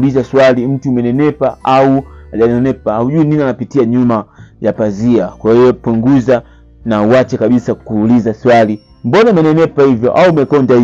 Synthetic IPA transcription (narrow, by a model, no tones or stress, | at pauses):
lizaswalim̩tuːmɛnɛnɛpaauaʄanɛnɛpaauʄuininanapitiaɲumajapaziakwahiɔpuŋɡuza | nauwat͡ʃɛkaɓisakuːlizaswali | mbɔnamɛnɛnɛpahivjɔ̰ʔaumɛkɔnda